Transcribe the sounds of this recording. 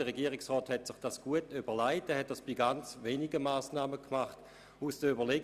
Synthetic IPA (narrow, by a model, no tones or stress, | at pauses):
əʁeɡiːəʁɪksʁɔːthɛtsɪχd̥asɡ̥uətybəʁlaɪtdɛhɛt̚d̥asb̥iɡant͡sveːniɡəmaːsnaːməkʰmaχt | usd̥əybəʁleɡ